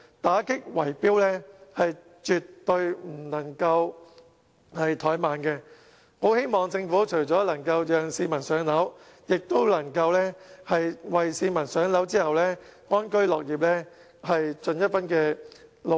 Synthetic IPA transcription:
t̪aː˨˥kɪ˥k̚wɐ˨˩jpiː˥wlɛː˥hɐ˨j | t͡ʃyː˨t̪ːɵ˧ɥm̩˨˩nɐ˨˩ŋkɐ˧w | hɐ˨jt̪ʰɔː˨˥jmaː˨nkɛ˧ | ho˨˥whe˥jmɔː˨ŋt͡sɪ˧ŋfuː˨˥t͡ʃʰɵ˨˩jt͡sɔː˨˥lɐ˨˩ŋkɐ˧wjœː˨˧ŋsiː˧mɐ˨˩nsœː˨˥ŋlɐ˨˥w | jɪ˨k̚t̪o˥wlɐ˨˩ŋkɐ˧wlɛː˥hɐ˨jwɐ˨jsiː˧mɐ˨˩nsœː˨˥ŋlɐ˨˥wt͡siː˥hɐ˨wlɛː˥ŋɔː˥nkɵ˥ɥlɔː˨k̚jiː˨p̚lɛː˥ | hɐ˨jt͡ʃɵ˨njɐ˥t̚fɐ˥nkɛː˧l

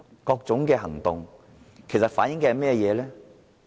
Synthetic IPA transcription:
kɔː˧k̚t͡sʊ˨˥ŋkɛː˧ɦɐ˨˩ŋt̪ʊ˨ŋ | kʰe˨˩jsɐ˨t̚faː˨˥njɪ˨˥ŋkɛ˧ɐ˨jmɛː˥˧jɛː˨˧lɛː˥

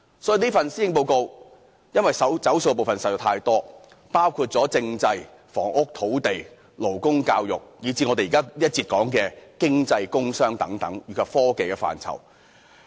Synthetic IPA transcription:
sɔː˨˥i˨˧niː˥fɐ˨nsiː˥jɪ˧ŋpo˧wko˧w | jɐ˥nwɐ˨jsɐ˨t͡sɐ˨˥wso˧wkɛ˧po˨wfɐ˨nsɐ˨˩tːt̪ʰaː˧jt̪ɔː˥ | paː˥wkʰuː˧t̚t͡sɔː˨˥t͡sɪ˧ŋt͡sɐ˧j | fɔː˨˩ŋʔʊ˥k̚t̪ʰo˨˥wt̪e˨˩j | lo˨˩wkʊ˥ŋkaː˧wjʊ˨˩k̚jiː˨˧t͡siː˧ŋɔ˨˧t̪e˨jːkaː˥liː˥t̚t͡siː˧t̚kɔː˨˥ŋkɛː˧kɪ˥ŋt͡sɐ˧jkʊ˥ŋsœː˥ŋt̪ɐ˨˥ŋt̪ɐ˨˥ŋjyː˨˩kʰɐ˨˧p̚fɔː˥ke˨jkɛ˧fa̰ː˨nt͡sʰɐ̰˨˩w

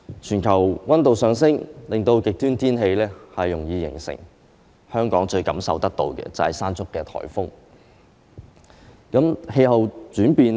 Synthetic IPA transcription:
t͡ʃʰyː˨˩nkʰɐ˨˩wwɐ˥nt̪o˨wsœː˨˧ŋsɪ˥ŋlɪ˨ŋt̪o˧wkɪ˨k̚t̪yː˥nt̪ʰiː˥nhe˧jlɛː˥hɐ˨jːʊ˨˩ŋjiː˧jɪ̰˨˩ŋsɪ̰˨˩ŋ | hœː˥ŋkɔː˨˥ŋt͡ʃɵ˧ɥkɐ˨˥msɐ˨wt̪ɐ˥k̚t̪o̰˧wkɛ̰ː˧t͡sɐ˨hɐ˨jsaː˥nt͡sʊ˥kːɛː˧t̪ʰɔ̰ː˨˩jfʊ˥ŋ | kɐ˨˥mhe˧jɦɐ˨wt͡ʃyː˨˥npiː˧n

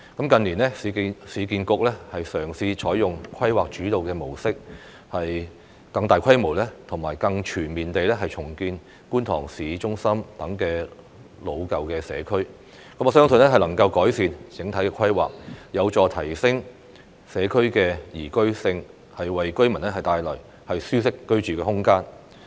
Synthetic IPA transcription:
kɐ˨˥mkɐ˨˧nliː˨˩nlɛ˥si˨˧i˧siː˨˧kiː˧nkʊ˨˥k̚lɛː˥hɐ˨jsœː˨˩ŋsiː˧t͡ʃʰɔː˨˥jjʊ˨ŋkʰɐ˥jwaː˨k̚t͡ʃyː˨˥t̪o˨wkɛː˧mo˨˩wsɪ˥k̚ | hɐ˨j | kɐ˧ŋt̪aː˨jkʰɐ˥jmo˨˩wlɛ˥t̪ʰʊ˨˩ŋmaː˨˩jkɐ˧ŋt͡ʃʰyː˨˩nmiː˨nt̪e˨jlɛ˥ɦɐ˨jt͡ʃʰʊ˨˩ŋkiː˧n | kuː˥nt̪ʰɔ̰ː˨˩ŋsiː˨˥t͡ʃʊ˥ŋsɐ˥mt̪ɐ˨˥ŋkɛː˧ | lo˨˧wkɐ˨wkɛː˧sɛ̰ː˨˧kʰɵ˥ɥ | kɐ˨˥mɔː˨˧sœː˥ŋsɵ˧nɛ˥ɦɐ˨jlɐ˨˩ŋkɐ˧wkɔː˨˥jsiː˨˧nt͡sɪ˨˥ŋt̪ʰɐ˨˥jkɛː˧kʷʰɐ˥jwa̰ː˨k̚jɐ˨˧wt͡sɔː˨˧t̪ʰɐ˨˩jsɪ˥ŋ | sɛː˨˧kʰɵ˥ɥkɛː˧jiː˨˩kɵ˥ɥsɪ˧ŋ | hɐ˨jwɐ˨jkɵ˥ɥmɐ˨˩nlɛ˥hɐ˨jt̪aː˨˧jlɔː˨˩j | hɐ˨jsyː˥s̬ɪ˥kːɵ˥ɥt͡ʃyː˨kɛː˧hʊ˥ŋkaː˥n

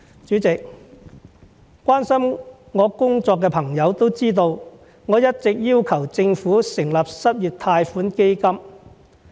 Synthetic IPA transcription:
t͡ʃyː˨˥t͡sɪ˨k̚ | kʷaː˥nsɐ˥m | ŋɔː˨˧kʊ˥ŋt͡sɔː˧kːɛː˧pʰɐ˨˩ŋjɐ˨˧wt̪o˥wt͡siː˥t̪o˧w | ŋɔː˨˧jɐ˥t̚t͡sɪ˨k̚jiː˥wkʰɐ˨˩wt͡sɪ˧ŋfuː˨˥sɪ˨˩ŋlɐ˨p̚sɐ˥p̚jyː˨˩t̚t̪ʰaː˧jfuː˨˥nke˥jkɐ˥m

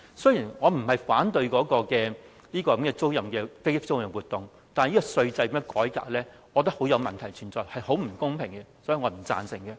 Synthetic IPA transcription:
sɵ˥ɥjiː˨˩nŋɔː˨˧m̩˨˩hɐ˨jfaː˨˥nt̪ɵ˧ɥkɔː˨˥kɔː˧kɛː˧ | liː˥kɔː˧kɐ˨˥mkɛː˧t͡so˥wjɐ˨mkɛː˧ke˥jɪ˥p̚t͡so˥wjɐ˨˩wuː˨˩t̪ʊ˨ŋ | t̪aː˨n˨jiː˥kɔ˧sɵ˧ɥt͡sɐ˧jpi˧˥mɔ˧˥kɔː˨˥jka̰ː˧k̚lɛː˥ | ŋɔː˨˧t̪̬ɐ˥k̚ho˨˥wjɐ˨˧wmɐ˨nt̪ʰɐ˨˩jt͡ʃʰyː˨˩nt͡sɔː˨jhɐ˨jho˨˥wm̩˨˩kʊ˥ŋpʰɪ˨˩ŋkɛ˧sɔː˨˥ji˨˧ŋɔː˨˧m̩˨˩t͡sa̰ː˧nsɪ˨˩ŋkɛ˧

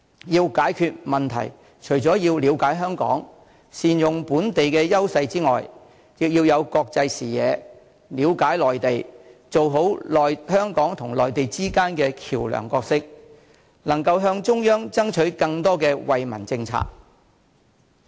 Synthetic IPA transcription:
jiː˧wkaː˨˥jkʰyː˧t̚mɐ˨nt̪ʰɐ̰˨˩j | t͡ʃʰɵ˨˩ɥt͡sɔː˨˥jiː˧wliː˨˧wkaː˨˥jɦœː˥ŋkɔ̰ː˨˥ŋ | siː˨njʊ˨ŋpuː˨˥nt̪e˨jkɛː˧jɐ˥wsɐ˧jt͡siː˥ŋɔ̰ː˨˩j | jɪ˨k̚jiː˧wjɐ˨˧wkɔː˧k̚t͡sɐ˧jsiː˨˩jɛ̰ː˨˧ | liː˨˧wkaː˨˥jlɔː˨˩jt̪e˨jt͡so˨wɦo˨˥wlɔː˨jhœː˥ŋkɔː˨˥ŋt̪ʰʊ˨˩ŋlɔː˨jt̪e˨jt͡siː˥kaː˥nkɛː˧kʰiː˨˩wlœ̰ː˨˩ŋkɔː˧k̚sɪ˥k̚ | nɐ˨˩ŋkɐ˧wɦœː˧ŋt͡ʃʊ˥ŋjœː˥ŋt͡sɐ˥ŋt͡ʃʰɵ˨˥ɥkɐ˧ŋt̪ɔː˥kɛː˧wɐ˨jmɐ̰˨˩nt͡sɪ˧ŋt͡sʰa̰ː˧k̚

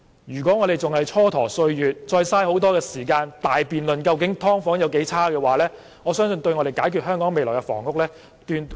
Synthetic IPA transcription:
jyː˨kʷɔː˨˥ŋɔ˨˧ɾe˨jt͡sʊ˨ŋhɐ˨jt͡sʰɔː˥t̪ʰɔː˨˩sɵ˧ɥjyː˨t̚t͡ʃɔː˧jsaː˥jho˨˥wt̪ɔː˥kɛː˧siː˨˩kaː˧nt̪aː˨jpiː˨nlɵ˨nkɐ˧wk̬ɪ˨˥ŋt̪ʰɔː˥ŋfɔː˨˥ŋjɐ˨˧wke˨˥jt͡sʰaː˥kɛː˧waː˨˦lɛː˥ | ŋɔː˨˧sœː˥ŋsɵ˧nt̪ɵ˧ɥŋɔː˨˧ɾe˨˩jkaː˨˥jkʰy˨ɦœː˥ŋkɔː˨˥ŋme˨jlɔː˨˩kɛ˧fɔ̰ː˨˩ŋʊ˨˥k̚lɛː˥ | t̪yː˧n

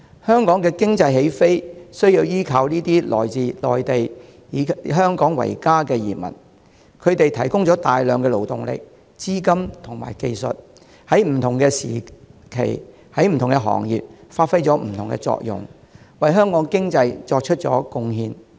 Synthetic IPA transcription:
hœː˥ŋkɔː˨˥ŋkɛː˧kɪ˥ŋt͡sɐ˧jhe˨˥jfe˥jsɵ˥ɥjiː˧wjiː˥kʰɐ˧wniː˥t̪iː˥lʔɔ̰ː˨jt͡siː˨˧lɔː˨jt̪e˨j | iː˨˧ɦœː˥ŋkɔː˨˥ŋwɐ̰˨˩jkaː˥kɛː˧jiː˨˩mɐ̰˨˩n | kʰɵ˨˧ɥt̪e˨jt̪ʰɐ˨˩jkʊ˥ŋt͡sɔː˨˥t̪aː˨jlœː˨˧ŋkɛː˧lo˨˩wt̪ʊ˨˩ŋlɪ̰˨k̚ | t͡siː˥kɐ˥mt̪ʰʊ˨˩ŋma̰ː˨˩jke˧jsɵ̰˨t̚ | hɐ˨˥jm̩˨˩t̪ʰʊ˨˩ŋkɛː˧sḭː˨˩kʰḛ˨˩j | hɐ˨˥jm̩˨˩t̪ʰʊ˨˩ŋkɛ˧ɦɔ̰ː˨˩ŋjḭː˨p̚faː˧t̚fɐ˥jt͡sɔː˨˥m̩˨˩t̪ʰʊ˨˩ŋkɛ̰˧t͡sɔ̰ː˧k̚jʊ̰˨˩ŋ | wɐ˨jɦœː˥ŋkɔː˨˥ŋkɪ˥ŋt͡sɐ˧jt͡sɔː˧k̚t͡ʃʰɵ˥t̚t͡ʃɔ̰ː˨˥kʊ˧ŋhiː˧n

